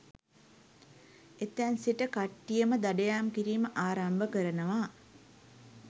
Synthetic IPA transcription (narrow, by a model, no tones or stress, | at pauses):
et̪ːænsiʈəkaʈːijəməd̪aɖejaːmkiɾiːməʔaːɾambəkəɾənəʋaː